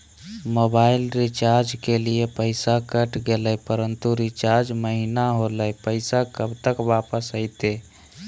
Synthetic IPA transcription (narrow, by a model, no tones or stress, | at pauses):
mobailɾit͡ʃaɾd͡ʒkeliepəɪsakəʈɡeləjpəɾənt̪uɾit͡ʃaɾd͡ʒməɦinaɦoləjpəɪsakəbt̪əkʋapəsəɪt̪e